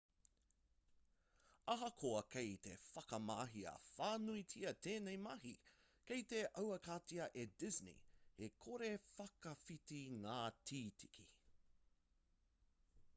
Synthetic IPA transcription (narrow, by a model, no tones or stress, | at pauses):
ɐɦɐkʰoɐkʰejt̪ḛfɐkɐmaːɦiɐ̰faːnuit͡sʰiɐt̪ʰeːnejmɐɦi | kejt̪eʔɐwɐkat͡siɐʔedɪznḭhekʰoɾefɐkɐfitiŋaːtʰiːtʰi̥kʰḭ